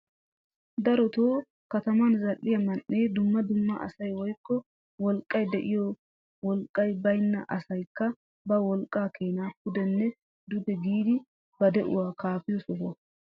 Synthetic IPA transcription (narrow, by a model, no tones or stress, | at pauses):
d̪ɐɾɔt̪oː | kɐt̪ɐmɐnzɐlʔːɪjɐmɐnʔːeːd̪ʊmːɐd̪ʊmːɐ̰ʔɐ̰sɐjwɔjkːɔ | wɔlkʼːɐjd̪ɛʔɪjɔ | wɔlkʼːɐjbɐjnːɐʔɐsɐjkːɐ | bɐwɔlkʼːaːkʰeːnaːp̚ʊd̪ɛnːɛ | d̪ʊd̪ɛɡiːd̪ɪ | b̥ɐd̪ɛʔʊ̰waːkaːfɪjɔsɔhɐ